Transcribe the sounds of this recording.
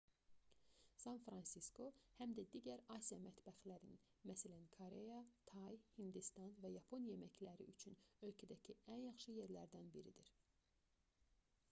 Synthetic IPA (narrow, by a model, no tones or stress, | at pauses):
sɑnfɾɑnsisko̞hæmd̪æd̪iːɟæɾɑsijɑmæt̪bæxlæɾninmæsælænkʰoɾejɑt̪ʰɑjhind̪ist̪ɑnvæjɑpʰo̞njemæclæɾḭʔyt͡ʃʰynø̞lcʰæd̪æcʰiænjɑxʃɯje̞ɾlæɾd̪ænbiɾid̪iɾ